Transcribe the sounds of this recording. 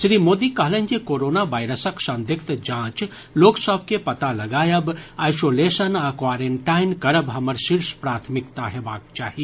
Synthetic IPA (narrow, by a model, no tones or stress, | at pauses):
sɾimoːd̪ikəɦlend͡ʒekoɾonabajɾəsəksə̃nd̪ʱikt̪d͡ʒãːt͡ʃ | loːksəbʱkepɐt̪alɐɡaːjəbajsoːlesənakwaːɾeɳʈainkəɾəbɦɐməɾsiɾspɾaːt̪ʰmikt̪aɦebaːk̚t͡ʃaːɦi